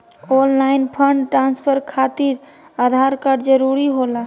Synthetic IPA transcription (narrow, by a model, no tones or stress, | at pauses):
ollaɪnpʰəɳɖʈɾanspʰəɾkʰat̪iɾ | ad̪ʱaɾkaɖd͡ʒəɾuɾiɦola